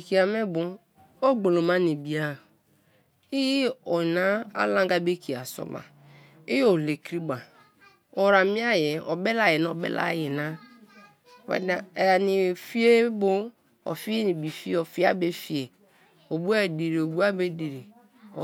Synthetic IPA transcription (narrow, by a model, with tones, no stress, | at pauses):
ki˨a˨me˦bo˦ | o˦ɡ͡bo˨lo˨ma˦ni˨bi˨a˦˨ | i˦ji˦ɔ˨na˦a̰˦lã˦ŋɡa˦be˦kʰi˨a˨sɔ̰˦ba̰˨ | i˦jo˨le˨kɾi˦ba˨ | o˨ɾa˨mi˦a˦je˨ɔ˨be˦la˨je˨n˨o˨bḛ˦lʔa̰˦ji˨na˦˨ | ḛ˨a˨ni˨fi˦e˦bo˦ | o̰˨fi˦i˦ni˨bi˨fi˦o˨fi˦a̰˦be˦fi˦e˨ | o˨bu˦a˦˨di˨ɾi˨o˨bu˦a˦be˦di˨ɾi˨